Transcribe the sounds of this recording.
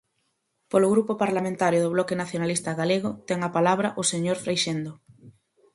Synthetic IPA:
polʊɣɾupopaɾlamẽnt̪aɾjʊðʊβlɔkenaθjonalist̪ɐɣaleɣ̞ʊt̪ɛŋapalaβɾɐʔʊseɲoɾfɾejʃend̪ʊ

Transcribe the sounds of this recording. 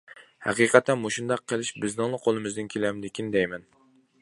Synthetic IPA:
hæ̰qiqʰɛt̪ʰːɛnmoʃund̪ɑqʰːəlˠɪʃbɪznɪŋlˠɨqʰolˠɨmɪzd̪ɪnkʲʰelɛmd̪ɪkʲʰind̪ɛjmɛn

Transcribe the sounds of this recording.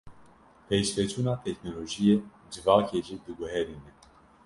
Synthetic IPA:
pʰeːʃvɛt͡ʃʰuːnɑːt̪ʰɛknoloːʒijeː | d͡ʒɨvɑːkʰeːʒiːd̪ɨɡuɦɛɾiːnɛ

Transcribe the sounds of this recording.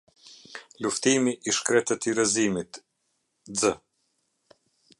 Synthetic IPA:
luft̪imiʔiʃkɾɛt̪ət̪iɾəzimit̪ | d͡zə

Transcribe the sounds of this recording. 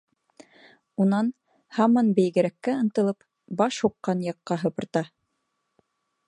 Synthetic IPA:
unɑn | hɑmɑnbɘ̆jɡɘ̆ɾækːæɤ̆nt̪ɤ̆lˠɤp | bɑʃhuqːɑnjɑqːɑɦɤ̆pɤ̆ɾt̪ɑ

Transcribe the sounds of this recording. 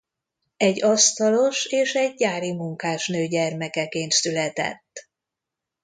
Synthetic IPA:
ɛɟːɒst̪ɒlo̞ʃeːʃɛɟːaːɾimuŋkaːʃnøːɟɛrmɛkɛkeːnt̪sylɛt̪ɛ̰t̪ː

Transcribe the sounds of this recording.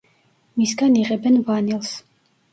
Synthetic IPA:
misɡaniʁɛbɛnvanilˠs

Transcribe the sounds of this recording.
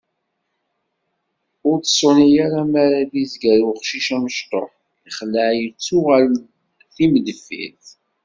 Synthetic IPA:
ʊɾt͡sə̥sˤʊnijaɾamaɾaðizɡæɾʊχʃiʃæməʃt̪ˤo̰ | iχəlːəʕjət͡sːʊʁæl | θiməd̪əfːḭθ

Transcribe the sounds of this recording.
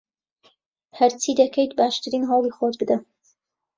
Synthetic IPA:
hɐɾt͡sʰid̪ɐkʰejt̪baːʃt̪ʰɨɾiːnɦɑwlˠiːχot̪bɨd̪ɐ

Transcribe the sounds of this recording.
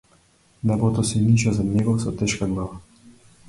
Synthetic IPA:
nɛbot̪ɔsinit͡ʃɛzanʲjɛɡɔwsɔt̪ɛʃkaɡlaːʋa

